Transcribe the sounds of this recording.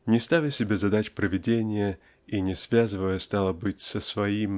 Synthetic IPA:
nʲɪst̪avʲɪsʲɪbʲezɐd̪at͡ɕpɾəvʲɪdʲenʲɪjə | inʲɪsvʲazɨvəjəst̪ɑlˠəbɨtʲsəsvɐim

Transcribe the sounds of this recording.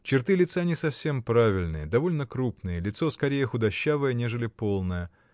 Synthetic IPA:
t͡ɕɪrt̪ɨlʲɪt̪sanʲɪsɐfsʲe̞mpɾavʲɪlʲnɨ̰jəd̪ɐvo̞lʲnəkɾupnɨjəlʲɪt̪so̞skɐɾʲejəxʊd̪ɐɕːavəjənʲe̞ʐɨlʲɪpo̞lˠnəjə

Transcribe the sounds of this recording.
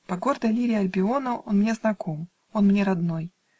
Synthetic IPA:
pɐɡo̞rd̪əjlʲiɾʲɪɐlʲbʲɪo̞nəo̞̰nmnʲe̞znɐko̞m | o̞nmnʲeɾɐd̪no̞j

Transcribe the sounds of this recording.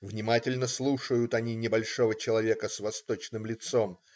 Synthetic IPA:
vnʲɪmatʲɪlʲnəslˠuʂəjʊt̪ɐnʲinʲɪbɐlʲʂo̞vət͡ɕɪlˠɐvʲe̞kəsvɐst̪o̞t͡ɕnɨmlʲɪt̪so̞m

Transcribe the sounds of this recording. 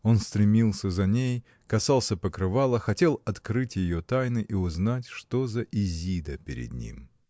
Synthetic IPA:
o̞nst̪ɾʲɪmʲilˠsʲəzɐnʲej | kɐsɑlˠsʲəpəkɾɨvalˠəxɐtʲe̞lˠɐt̪kɾɨtʲjɪjot̪ajnɨʔiʊznatʲʂt̪o̞zəʔɪzʲid̪əpʲɪɾʲɪ̰d̪̚nʲḭm

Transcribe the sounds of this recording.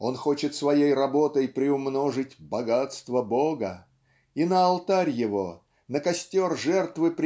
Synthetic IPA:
o̞nxo̞t͡ɕɪt̪svɐjejrɐbo̞t̪əjpɾʲɪʊmno̞ʐɨtʲbɐɡat̪st̪vəboɡə | inəɐlˠt̪aɾʲjɪvo̞ | nəkɐsʲtʲo̞rʐɛrt̪vɨpɾʲ

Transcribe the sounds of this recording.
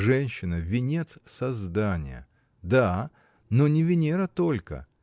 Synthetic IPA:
ʐɛnʲɕːɪnəvʲɪnʲet̪ssɐzd̪anʲɪ̰jə̰ | d̪a | nonʲɪvʲɪnʲeɾət̪o̞lʲkə̰

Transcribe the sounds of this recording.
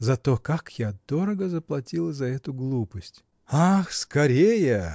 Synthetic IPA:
zɐt̪okakjad̪̥oɾəɡəzəplˠɐtʲilˠəzɐɛt̪ʊɡlˠupəsʲtʲ | axskɐɾʲejə

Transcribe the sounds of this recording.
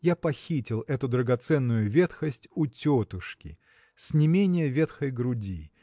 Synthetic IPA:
japɐxʲitʲɪlˠɛt̪ʊd̪ɾəɡɐt̪sɛnːʊjʊvʲet̪xəsʲtʲʊtʲot̪ʊʂkʲɪ̰ | sʲnʲɪmʲenʲɪjəvʲet̪xəjɡɾʊdʲi

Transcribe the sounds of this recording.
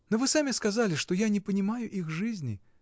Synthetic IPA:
novɨsamʲɪskazalʲɪʂt̪ojanʲɪpənʲɪmajʊʔixʐɨzʲnʲɪ̰

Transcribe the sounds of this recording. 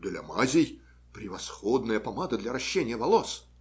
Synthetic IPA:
d̪ɨlʲɐ̰mazʲɪj | pɾʲɪvɐsxɔd̪nəjəpɐmad̪əd̪lʲɐɾɐɕːenʲɪjəvɐlˠos

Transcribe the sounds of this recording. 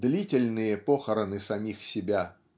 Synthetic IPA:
d̪lʲitʲɪlʲnɨjəpoxəɾənɨsɐmʲixsʲɪbʲa

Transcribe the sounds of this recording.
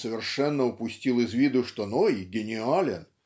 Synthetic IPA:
səvʲɪrʂɛnːəʊpʊsʲtʲilˠɪzvʲid̪ʊʂt̪onoiɡʲɪnʲɪalʲɪn

